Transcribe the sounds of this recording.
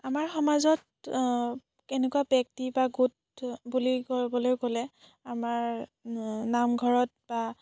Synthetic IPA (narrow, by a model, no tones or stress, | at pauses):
amaɹxɔmazɔt̚ | kɛnɛkuabɛk̚tibaɡut̚ | bulikoɹibɔlojkolɛ | amaɹ | namɡʱɔɹɔt̚ba